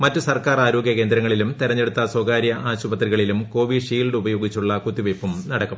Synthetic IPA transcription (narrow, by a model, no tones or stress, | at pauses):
mɐtːɨsɐrkaːraːɾo̞ːɡjɐke̞ːnd̪ɾɐŋːɐɭilumt̪iɾɐɲːe̞ɽut̪ːɐswoːkaːɾjɐʔʔaːɕubɐt̪riɣɐɭilumko̞ːʋiɖʂiːlɖubɐjo̞ːɡit͡ɕːuɭːɐkut̪ːiʋepːumnɐɽɐkːɐm